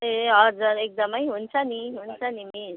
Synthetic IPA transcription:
eʌd͡zuɾek̚d̪ʌmʌjɦunt͡sʰʌniɦunt͡sʰʌnimis

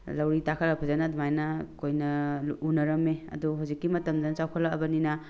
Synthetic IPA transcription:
lɐwɾitakʰɐɾɐpʰɐzanɐdumajnɐkojnɐunɐɾɐmeɐ̰duɦuwzikːimɐtɐmd͡ʒanɐt͡ʃawkʰɐlaɐbɐninɐ

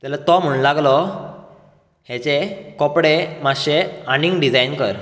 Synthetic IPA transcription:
t̪alat̪ɔm̤uɳlaɡlɔ | het͡sekɔpɽemaɕeaniŋɡɖid͡zajnkəɾ

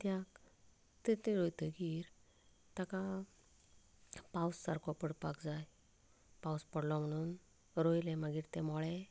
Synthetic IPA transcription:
t̪jak | t̪et̪eɾojt̪əkiːɾ | t̪aka | pawsːaɾkʰɔpəɽpa̰kd͡zaj | pawspəɽlɔm̤əɽ̃uːn | ɾojleməɡiːɾt̪ɛmɔɭe

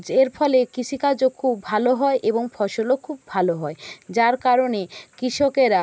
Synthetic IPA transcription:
eɾfʰɔlekit͡ɕʰikad͡ʑokʰubʱaloɦɔeʔeboŋfʰɔʃolokʰubʱaloɦɔed͡ʑaɾkaɾonekɾiʃokeɾa

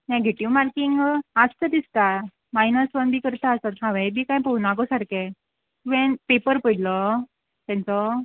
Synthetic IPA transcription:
neɡʱeʈiʋmaɾkiŋɡast̪əd̪ist̪a | majnəsʋənbʱiːkəɾt̪aəsat̪ɦãʋɛ̃bʱiːkãjpəunakɔsaɾkɛ | ʋẽnpepəɾpəjlɔ | t̪ɛ̃nt͡sɔ

